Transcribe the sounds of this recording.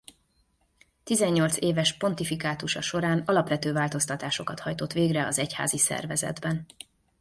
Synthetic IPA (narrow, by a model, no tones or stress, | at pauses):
t̪izɛɲːo̞lt̪seːvɛʃpo̞nt̪ifikaːt̪uʃɒʃo̞ɾaːnɒlɒpvɛt̪øːvaːlt̪o̞st̪ɒt̪aːʃo̞kɒt̪hɒjt̪o̞t̪ʋeːɡrɛɒzɛcha̰ːzisɛ̰rvɛzɛ̰d̪bɛn